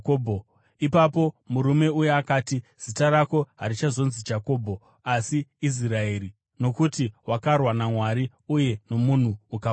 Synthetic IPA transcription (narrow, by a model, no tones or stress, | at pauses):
obʱo | ipapo̞muɾume̞ujeakaːtiz̥itarako̞ɦaɾit͡ʃazo̞nzid͡ʒako̞ːbʱo̞ | asiːs̬irae̞ːɾi | no̞kutiwakarwanamwaɾi | uje̞no̞mun̤uuka